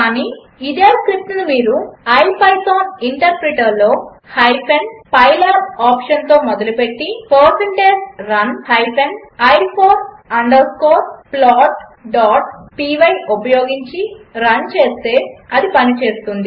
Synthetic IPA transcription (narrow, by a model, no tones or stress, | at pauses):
kaːniː | id̪eːskɾip̚t̪ɐnumiːɾuɐjpɐjsoːniɳʈɐɾpɾiʈɐɾlo̞ː | hɐjpʰenpɐjlɐɾaːpʂɐnt̪o̞ːmɔd̪ɐlupe̞ʈːipɐɾsɐɳʈeːɾd͡ʒɾɐnhɐjpʰenɐjɾpʰoːɾsɐɳɖɐɾskoːɾplaːʈɖaːʈpiːʋɐjupɐjoːɡiɲt͡ʃiɾɐnt͡ʃe̞ːst̪e̞ːɐd̪ipɐnit͡ʃe̞ːst̪und̪i